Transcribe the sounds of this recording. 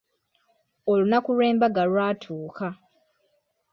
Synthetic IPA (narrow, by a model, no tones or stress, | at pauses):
olunakule̞ːmbaɡalwaːtʰuːka